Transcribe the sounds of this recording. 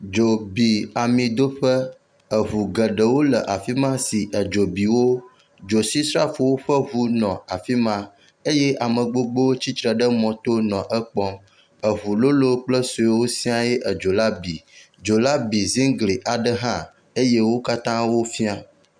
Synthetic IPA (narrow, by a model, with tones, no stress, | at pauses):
d͡ʒo˨bi˨a˨mĩ˨d̪o˦ɸə˦ | ə˨ɦu˨ɡə˨ɖə˨wo˦lə˨ʔa˨fi˦mã˦si˨ʔə˨d͡ʒo˨bi˨wo˦ | d͡ʒo˨si˦sɾa˦fo˨wo˦ɸə˦βu˦nɔ̃˨a˨fi˦mã˦ | e˦je˦ʔa˨mə̃˨ɡ͡bo˦ɡ͡bo˦wo˦t͡ɕi˦t̪ɾə˨ɖə˦mɔ̃˨t̪o˦nɔ̃˨ʔə˦k͡pɔ̃˦ | ə˨βu˨lo˦lo˦k͡plə˦so˨e˦wo˦sĩ˦a˦je˦ʔə˨d͡ʒo˨la˦bi˨ | d͡ʒo˨la˦bi˨zĩ˦ŋɡli˨ʔa˨ɖə˦ɦã˦ | e˦je˦wo˦ka˦t̪ã˦wo˦fi˦a˨